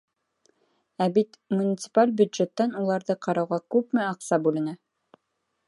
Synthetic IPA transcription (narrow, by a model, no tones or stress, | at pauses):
æbit̪munʲɪt̪sɨ̥palʲbʲjʉd̪ʒet̪ːænulˠɑɾðɤqɑɾɑwʁɑkʉpmɘɑqsɑbʉlɘ̆næ